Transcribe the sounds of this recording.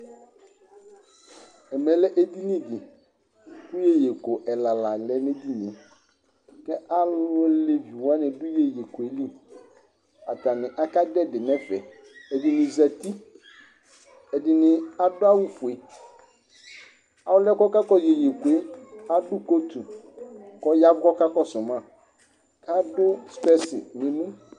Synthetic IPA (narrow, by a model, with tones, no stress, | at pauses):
ɛ˨mɛ˨lɛ˦ʔe˦di˦nɪ̃˦dɪ˨ | kʊ˦je˦je˨ko˨ʔɛ˨la˨la˨lɛ˦nɪ̃˦di˦nɪ̃˨ | kɛ˦a˦lʊ˦le˦vi˨wa˦nɪ̃˨dʊ˦je˨je˨ko˨e˨li˦ | a˨ta˨nɪ̃˨ʔa˦ka˦dɛ˦dɪ˨nɛ˦fɛ̰˨ | ɛ˨di˨nɪ̃˨zɛ˨t̪i˦ | ɛ˨dɪ˨nɪ̃˨a˦dʊ˦a˦wʊ˦fʊ˨e˨ | a˨wʊ˦lɛ˦kɔ˦ka˦kɔ˦je˨je˨ku˨e˦a˦dʊ˦ko˦t̪ʰu˨ | kɔ˦ja˦vʊ˦kɔ˦ka˦kɔ˦sʊ˨mã˦˨ | ka˦dʊ˦spɛ˦sɪ̰˨nɪ̃˨nũ˦